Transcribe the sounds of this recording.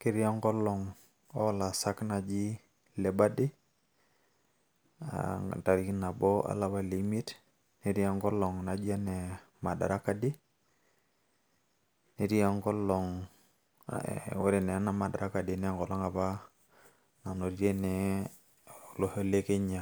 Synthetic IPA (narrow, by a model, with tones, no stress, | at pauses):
ki˦ɾja˦ŋɡɔ˦lɔ˨ŋ | ɔ˦la˨sa˦kna˨d͡ʒi˦ | le˨ba˦di˦ | a̰˨ta˨ɾi˦kna˨bɔ˦ʔa̰˦la˦βa˦li˨˦mi˦t | ni˦ɾi˦a˦ŋɡɔ˦lɔ˨ŋna˨d͡ʒa˦nɛ˨ | ma˨da̰˨ɾa˦ka˦di˦ | ne˨ɾi˦a˦ŋɡɔ˦lɔ˨ŋ̰ | o˦ɾe˨nɛ˨a˦na˨ma˨da̰˨ɾʔa˦ka˨di˨nɛ˦˨ŋɡɔ˨lɔ˦ŋa˨ba˦ | na˨no˨ɾje˦nɛ˨ | lo˨ho˦le˦ke˦ɲa˨